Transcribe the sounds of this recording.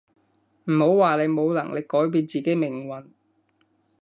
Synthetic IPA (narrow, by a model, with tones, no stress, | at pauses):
m̩˨˩ho˨˥wwaː˨le˨˧jmo˨˧wlɐ˨˩ŋlɪ˨˩kːɔː˨˥jp̬iː˧nt͡siː˨ke˨˥jmɪ˨˩ŋwɐ˨˩n